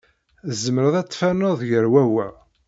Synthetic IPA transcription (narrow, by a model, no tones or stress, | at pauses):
zəməɾəðˤæt͡sˤːfænoðˤjəɾwæwæ